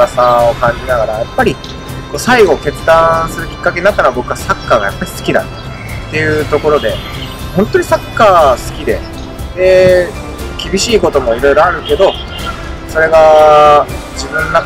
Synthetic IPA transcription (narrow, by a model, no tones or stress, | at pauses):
asao̞kãɲ̟d͡ʑinaɡaɾajapːaɾʲi | ko̞ːsaiɡo̞ke̞t͡sɨd̪ãsɨɾɯ̟kʲi̥kːake̞ɲ̟inat̪ːanoabo̞kɯ̟βasakːaːɡa̰japːaɾʲisɨ̥kʲid̪a̰t̪ | t̪ːe̞jɯ̟t̪o̞ko̞ɾo̞d̪e̞ | hõnt̪o̞ɲ̟isakːaːsɨ̥kʲid̪e̞̰ | e | kʲibʲiɕiːko̞t̪o̞mo̞iɾo̞ijɾo̞aɾɯ̟ke̞d̪o̞ | so̞ɾe̞ɡa | d͡ʑibɯ̟̃nːa